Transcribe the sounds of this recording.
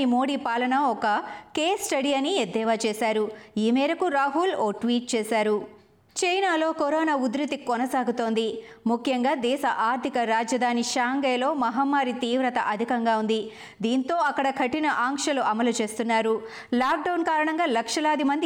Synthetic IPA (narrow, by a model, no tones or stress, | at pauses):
imoːɽipaːlɐnɐɔkɐkeːsʈɐɽiɐnied̪ːɛːʋaːt͡ʃɛːsaːɾuiːmɛːɾɐkuɾaːɦuloːʈʋiːʈ̚t͡ʃɛːsaːɾu | t͡ʃɐjnaːlo̞ːkɔɾɔːnaːud̪ɾɐt̪ikɔnɐsaːɡut̪o̞ːnd̪imukʰjɐŋɡaːd̪ɛːʃɐʔaːɾt̪ʰikɐɾaːd͡ʒɐd̪ʱaːniʃaːŋɡɐjlo̞ːmɐɦɐmːaːɾit̪iːʋɾɐt̪ɐʔɐd̪ʱikɐŋɡaːund̪i | d̪iːnt̪o̞ːɐkːɐɽɐkʰɐʈinɐʔaːŋkʂɐluʔɐmɐlut͡ʃeːst̪unːaːɾu | laːk̚ɖɐwnkaːɾɐɳɐŋɡaːlɐkʂɐlaːd̪imɐnd̪i